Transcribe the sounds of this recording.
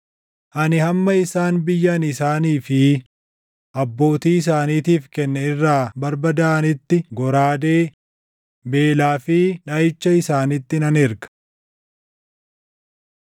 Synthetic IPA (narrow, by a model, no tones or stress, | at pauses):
ʔɐnɪhɐmːɐɪsaːnbɪjːɐnɪsaːniːfɪ | ʔɐbːo̞ːt̪iːɪs̬aːniːt̪iːfkɛnːɐɪrːaːbɐɾbɐd̪ɐɐnɪt̪ːɪɡɔɾaːd̪eː | be̞ːlaːfɪᶑɐjɪt͡ʃːɐɪsaːnɪt̪ːɪnɐnɪɾɡɐ̥